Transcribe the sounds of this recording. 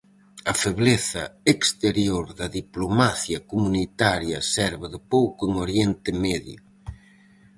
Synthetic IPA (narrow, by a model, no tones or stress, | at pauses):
ɐfeβleθɐekst̪eɾjoɾðɐðiplomaθjɐkomunit̪aɾjɐsɛɾβɪðɪpowkʊeŋoɾjɛnt̪ɪmɛðjʊ̰